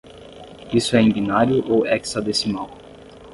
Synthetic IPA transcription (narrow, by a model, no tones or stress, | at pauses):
isʊɛĩbinaɾjʊʔowɛksad̪esimaw